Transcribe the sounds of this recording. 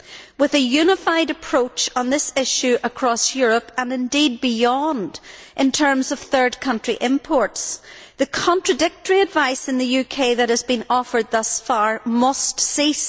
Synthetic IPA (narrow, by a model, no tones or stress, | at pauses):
wɨðɨjʉnəfaɪɾɨpʰɹ̥ot͡ʃn̩ðɪsɪʃʉʔəkʰɹ̥ɔsjʊɹəpə̃nɨ̃ndid̚bɪjɔ̃ndʔɨ̃ntʰɜ̃˞mzʌv̥θɜ˞d̚kʰʌ̃nt͡ʃɹ̥iʔɪ̃mpʰɔɹtsðɨkʰɑ̃ntɹ̥ɨdɪk̚təɹiɨdvaɪsɨ̃nðɨjʉkʰeɪðɨt̚hɨzbĩnɔfə˞d̪̚ðʌsfaɹmʌstsis